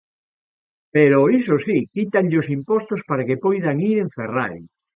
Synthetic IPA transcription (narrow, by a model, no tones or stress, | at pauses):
peɾoisosikit̪aŋʎɪosimpɔst̪ospaɾakepojðaŋiɾeɱfera̰ɾḭ